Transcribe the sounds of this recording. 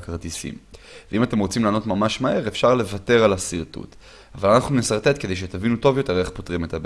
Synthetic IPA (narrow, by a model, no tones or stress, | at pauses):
kaʁt̪isḭmvveimat̪e̞mʁo̞t͡simlaːno̞t̪mamaʃmae̞ʁefʃaʁle̞vat̪e̞ʁalasiʁt̪ṵt̪ | avalanaχnunesaʁt̪e̞t̪ke̞d̪ejʃ̬et̪avinuto̞vjo̞te̞ʁe̞χpo̞t̪ʁime̞t̪ab